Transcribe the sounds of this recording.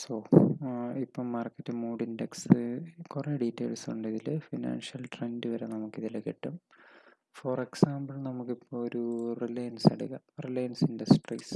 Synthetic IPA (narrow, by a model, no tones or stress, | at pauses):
so | ipːoːmaːrkːɐtːɨmuːɽindeksɨkureɖiːtːḛːlsuɳɖiðilɨfɐna̰ːnʂɐlʈrendɨʋɐɾenɐmukːiðilekːḛʈːɐm | foːreksaːmbɐlnɐmukːipːooɾurilejɐnsɐ̰ɽuɣɐ | rilejɐnsinɖɐsʈrḭs